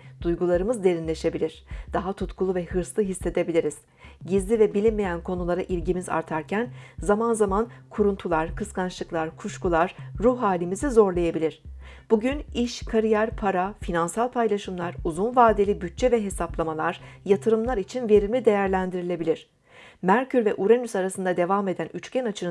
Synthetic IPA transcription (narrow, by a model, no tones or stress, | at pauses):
d̪̥ujɡulˠaɾɯmɯzd̪e̞ɾinʲe̞ʃe̞bilʲiɾ̥d̪̥aɦat̪ʰut̪kʰulˠuvɛhɯɾslˠɯɦisːe̞d̪e̞bilʲiɾiz̥ | ɟizlʲivɛbilʲinmejænkʰo̞nulˠaɾaʔilʲɟimiza̰ɾt̪ʰaɾcʰænzamanzamankʰuɾunt̪ʰulˠaɾ̥kʰɯskanʃlˠɯklˠaɾkʰuʃkulˠaɾ̥ɾuhɦaːlʲimizizo̞ɾlˠajabilʲiɾ̥ | b̥uɟyniʃkʰaɾijæɾpʰaɾafinansalˠpʰajlˠaʃɯmlˠaɾuzunvaːd̪elʲibyt̚t͡ʃʰːɛvɛɦe̞saplˠamalˠaɾ̥jat̪ʰɯɾɯmlˠaɾit͡ʃʰinve̞ɾimʲid̪e̞jæɾlʲænd̪iɾilʲe̞bilʲiɾ̝̥ | mæɾcʰyɾvɛʔuɾenysaɾasɯnd̪ad̪e̞vaːme̞d̪ænyt͡ʃcænat͡ʃʰɯnɯ